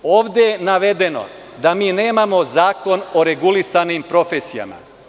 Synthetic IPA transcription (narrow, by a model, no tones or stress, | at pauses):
oːʋd̪ejenaʋed̪e̞no̞̰ | d̪amiːne̞ːmamo̞zaːko̞no̞ɾe̞ɡulisanimpɾo̞fesija̰ma̰